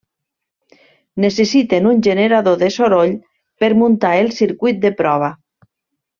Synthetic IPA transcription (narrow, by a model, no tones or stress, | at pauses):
nesesit̪enunʲʒeneɾaðoðesoɾoʎ | peɾmunt̪aelˠsiɾkujt̪̚d̪epɾɔβ̞a